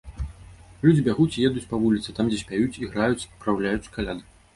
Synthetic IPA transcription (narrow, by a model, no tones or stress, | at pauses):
lʲud͡zʲibʲaɣut͡sʲijɛd̪ut͡sʲpɐvulʲit̪sɨt̪amd͡zʲɛsʲpʲajut͡sʲiɣɾajut͡sʲpɾawlʲajut͡sʲkalʲad̪ɨ